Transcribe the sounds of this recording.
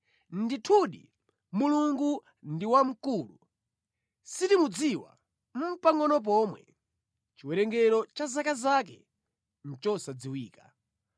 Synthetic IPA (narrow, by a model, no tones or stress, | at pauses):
nditʰuɗḭ | muluŋɡu | ndiwam̩kulu | sitimud͡ziwa̰ | m̩paŋɡɔnɔp̬ɔmwɛ̰ | t͡ʃiwɛɾɛŋɡɛɾɔt͡ʃazakazakɛ̰ | n̩t͡ʃɔsad͡ziwiːka